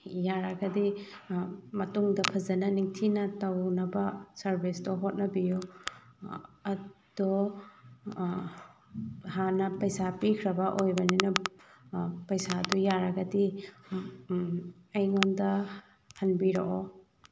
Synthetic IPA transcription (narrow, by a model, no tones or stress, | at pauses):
jaɾɐɡɐdi | mɐtuŋdɐpʰɐzɐnɐniŋtʰinɐtɐwnɐbɐsɐɾbʱisdɔɦot̚nɐbiju | ɐd̥o | hanɐpɐjsapikʰɾɐbɐʔojbɐninɐ | pɐjsadujaɾɐɡɐdi | ɐjŋondɐ | hɐnbiɾo̰ʔo